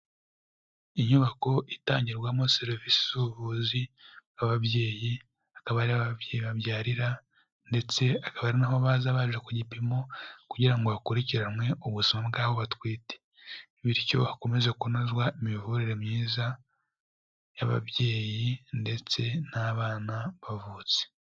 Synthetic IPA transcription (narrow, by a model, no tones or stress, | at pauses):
iɲuβako̞ʔitaːɲɟiɾɡwamoseɾivisi̥uβuziaβaβje̞ːji | akaβaɾiaβaβjeːjiβaβjaːɾiɾa | nde̞t͡se̞akaβaːɾinaɦoβaːzaβaʒekuɟipimo̞kuɟiɾaŋɡo̞akuɾiciɾamwe̞ʔuɡusimabɡaːβo̞βatwiːte̥ | βiɾco̞̰hako̞me̞zekunozɡwaemivuɾiɾemɲiːza | jaβa̰βje̞ːjinde̞t͡se̞naβaːnaβavuːt͡se̥